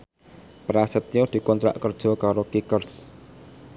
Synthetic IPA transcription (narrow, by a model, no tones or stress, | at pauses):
pɾasət̪̚jod̪̥i̤kont̪ɾa̰ʔkɔr̥d͡ʒ̥okɑɾokikərs